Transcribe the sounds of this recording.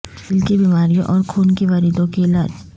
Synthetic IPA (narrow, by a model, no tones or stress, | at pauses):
ɪlkebiːmaːɾijõʔɔːɾkʰuːnkeʋɐɾiːd̪õkeɪla̰ːd͡ʒ